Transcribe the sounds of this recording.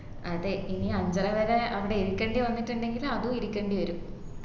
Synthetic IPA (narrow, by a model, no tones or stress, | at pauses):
ɐ̰ðeiniɐɲd͡ʑɐɾɐʋɐɾeɐʋiɽe̞iɾikʲːeːɳɖiʋɐnːiʈːuɳɖe̞ŋɡilɐðuiɾikʲːeːɳɖiʋɐɾum